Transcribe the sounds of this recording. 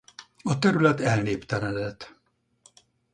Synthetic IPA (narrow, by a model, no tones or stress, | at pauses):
ɒt̪ɛɾylɛt̪ɛlneːpt̪ɛnɛd̪ɛt̪